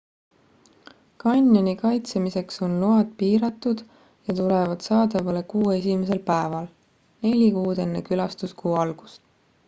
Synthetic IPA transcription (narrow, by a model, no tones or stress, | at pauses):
kɑnʲːonikɑjt̪semise̞kso̞nloɑd̪piːɾɑt̪ːˑud̪̥ | jɑt̪ulevɑd̪̥sɑːd̪ɑvɑle̞kuːe̞s̬ʲimes̬e̞lpæevɑl | ne̞lʲikuːd̪̥e̞nːe̞̰kylɑst̪uskuːɑlɡ̥u̥st̪